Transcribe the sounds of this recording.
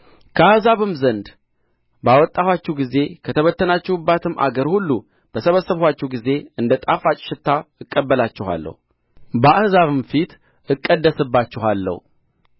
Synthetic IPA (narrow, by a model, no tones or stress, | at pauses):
kʰəahzaβɨmzənd̪ | bawɔt̪ʼːahwat͡ʃːɛwɡize̞kʰət̪ʰəβət̪ːənat͡ʃːɪhɨbːat̪ʰɨma̰ɡəɾhulːu | b̥əsəβəsəβhʷwat͡ʃːɛhɡize̞ɨnd̪ət̪ʼafat͡ʃʼʃɪt̪ʰːaɨkʼːəbːəlat͡ʃːɪha̰lːə̰hu | bəahzaβɨmfit̪ | ɨkʼːəd̪ːəsɨbːat͡ʃːɪɦalːə̰hu